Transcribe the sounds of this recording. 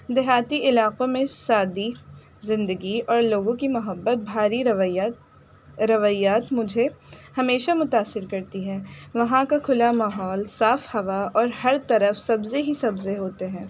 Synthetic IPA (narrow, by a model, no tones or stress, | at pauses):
d̪ɪɦaːt̪iɪlaːqõmẽsaːd̪i | zɪ̃nd̪əɡiɔːɾloːɡõkimʊɦəbːət̪̚bʱaːɾiɾ | ɾɐʋaːjaːt̪mʊd͡ʒʱehɐmeːʃamʊt̪aːsːɪɾkɐɾt̪iɦɛ̃ːʋɐɦãkakʰʊlamaːɦɔːlsaːfhɐʋaɔːɾhɐɾt̪ɐɾəfsɐbzeɦisɐbzeɦoːt̪eɦɛ̃ː